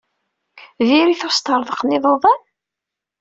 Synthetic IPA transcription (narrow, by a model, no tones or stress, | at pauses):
ðiɾiθost̪əɾˤðˤəqːniðˤoðˤɑn